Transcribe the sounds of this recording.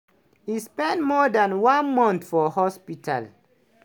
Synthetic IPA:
hispɛ̃ntmɔdãnwãnmɔ̃nθfɔhɔspitʰa̰l

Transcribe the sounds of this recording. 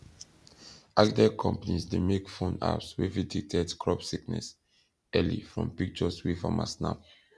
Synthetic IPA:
ʔakdɛkʰɔ̰̃mpanisdemekfõna̰pswividik̚tʰɛdkʰɹɔpsiknɛ̰s | ɛlḭfɹɔ̰̃mpik̚t͡ʃɔswifã̰ma̰sna̰p

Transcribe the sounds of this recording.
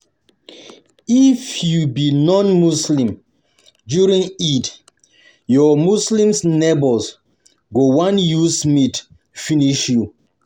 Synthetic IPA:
ifjubinɔ̃nmuslĩm | djuɹĩŋid | jɔmuslĩmsnebɔls | ɡowãnjusmit | finiʃju

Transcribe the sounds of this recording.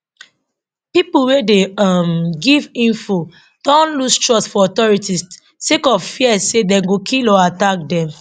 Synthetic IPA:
pipuwedeamɡivĩnfo | d̥ɔ̃nlustɹɔsfɔɔtɔɹitis | sekɔvfiɛsedɛ̃mɡokʰilɔatak̚dɛ̃m

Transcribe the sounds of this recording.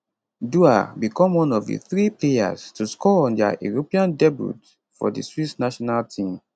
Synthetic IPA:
duabikɔ̃mwɔ̃nɔvdḭθɹipleja̰stuskɔɔ̃nda̰jṵɹopiãndɛbṵt | fɔ̰dḭswisnaʃɔnaltʰĩm

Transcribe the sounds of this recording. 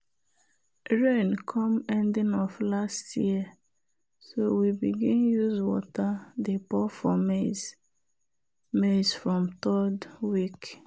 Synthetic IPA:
ɹenkʰɔ̃mɛ̃ndĩnɔflastjiə | sowibiɡĩnjuzwɔ̰tadepɔfɔmez | mesfɹɔ̃mtɔdwik

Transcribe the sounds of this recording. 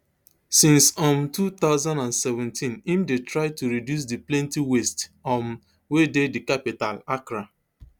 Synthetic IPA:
sĩnsɔ̃mtut̪aʊzãndãnsɛvɛ̃ntʰĩnĩmdetɹaɪtuɾidjus̬diplɛ̃ntiwestɔ̃m | wededikapitalakɾa

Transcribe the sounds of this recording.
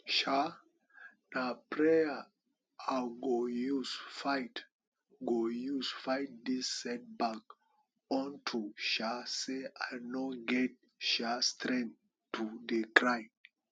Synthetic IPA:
ʃa | napɹɛə | aɡojusfaɪt | ɡojusfaɪt̚disːɛt̚bak | ɔ̃ntʰuʃaseaɪnoɡɛt̚ | ʃastɾɛ̃n | tːudekɹãjm

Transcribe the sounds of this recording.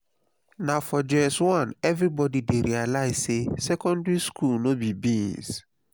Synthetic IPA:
nafɔd͡ʒɛswɔ̃nɛvɾibɔdideɾialaɪz̥sesɛkɔ̃ndɹiskʰulnobibĩns

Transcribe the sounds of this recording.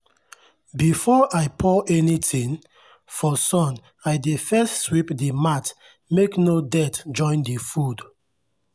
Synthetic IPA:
bifɔʔaɪpʰɔʔɛnitʰĩŋ | fɔsɔ̃n | aɪdefɛstswipdimat | meknodɛtd͡ʒɔ̃ɪ̃ndifud

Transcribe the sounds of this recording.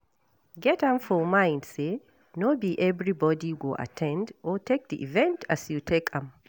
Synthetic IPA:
ɡɛtãmfɔmãɪ̃ndse | nobiʔɛvɹibɔdiɡoʔa̰tʰɛ̃ndɔtʰek̚d̪iʔivɛ̃ntʰasjutʰekʰãm

